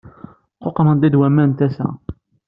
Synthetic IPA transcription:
qoqmənd̪ˤid̪wæmːænt̪æsæ̰

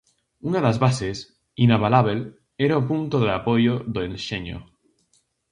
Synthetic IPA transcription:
unaðazβases | inaβalaβel | eɾaopunt̪oðeapojoðoẽnʃeɲo̰

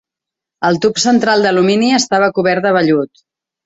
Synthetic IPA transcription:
əlˠt̪upsənt̪ɾalˠd̪əluminiəst̪aβ̞əkuβɛɾt̪əβəʎut̪

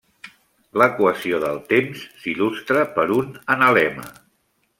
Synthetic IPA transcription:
ləkwəsioðəlˠt̪emsːilust̪ɾəpəɾunənəlɛmə̰

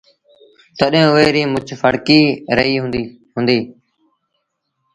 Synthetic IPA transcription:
t̪əɗẽːeːɾiːmʊt͡ʃʰfəɽkiːɾəɦiːɦʊ̃ | ɦʊnd̪iː

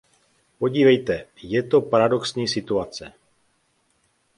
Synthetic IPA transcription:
po̞ɟiːvɛjt̪ɛjɛt̪o̞paɾado̞ksɲiːsɪt̪uat͡sɛ

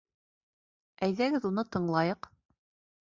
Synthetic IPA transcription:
æjðæɡɘðunɤt̪ɤ̆ɴlˠɑjɤq

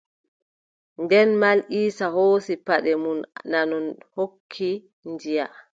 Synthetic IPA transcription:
ndɛnmalʔiːsahoːsipaɗɛmunnanɔnhokʰːi | nd͡ʒija

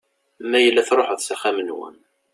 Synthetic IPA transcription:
mːæjəlːæθɾˤoħəðsæχæmənwə̰n

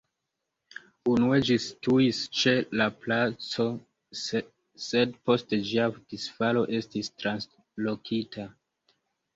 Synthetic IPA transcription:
unue̞d͡ʒistuist͡ʃe̞laplat͡so̞ | se̞dpo̞sted͡ʒiadisfalo̞ʔe̞stistɾans | lo̞kʰitʰa

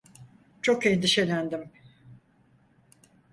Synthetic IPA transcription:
t͡ʃʰo̞kend̪iʃe̞lʲænd̪im

